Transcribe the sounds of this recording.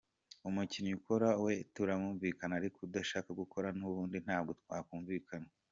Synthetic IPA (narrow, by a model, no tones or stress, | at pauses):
umucinukoɾawe̞tuɾamuːɱviːkanaːɾikodaʃaːkaɡukʰo̞ɾanuβuːndin̥aːb̚ɡotkwaːkuːɱviːkʰana